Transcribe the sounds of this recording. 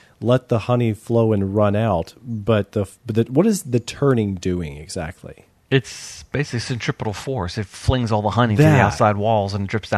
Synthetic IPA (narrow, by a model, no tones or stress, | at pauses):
lɛt̪̚ðəhʌnifloʊɨ̃nɹʌ̃naʊtb̥ʌt̪̚ðəðɨwʌɾɨzðɨtʰɜ̃˞nɪ̃ŋdʉɪ̰̃ŋɨ̰ɡz̥æ̰k̚tʰˡlḭ | ɪtsb̥eɪsɨsɨ̃ntʰɹ̥ɪpəɾl̩ˠfɔɹsɨtflɪ̃ŋzɔlˠðəhʌñitɨðiaʊtsaɪd̚wɔlˠzə̃ndɹɪpsd̥ã